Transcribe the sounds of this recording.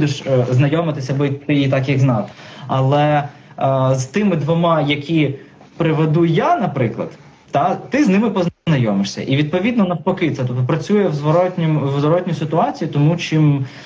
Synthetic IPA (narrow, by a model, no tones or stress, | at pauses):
d̪eʃznɐjɔmɪt̪ɪsʲɐbɔit̪ɪit̪ɑkjɐɡznɑt̪ɐlˠɛ | zt̪ɪmɪd̪ʋɔmɑjɐkʲi | pɾɪʋed̪ujanɐpɾɪklˠɐ̰d̪̥ | t̪ɐt̪ɪznɪmɪpɔnɐjɔmɪʂsʲɐ̰ʔiʋʲid̪̚pɔʋʲid̪nɔnɐwpɔkɪt̪sɛt̪ɔp̚t̪ɔpɾɐt͡sʲujɛwzʋɔɾɔtʲnʲɔwzʋɔɾɔtʲnʲʊsɪt̪ʊɑt͡sʲijit̪ɔmut͡ʃim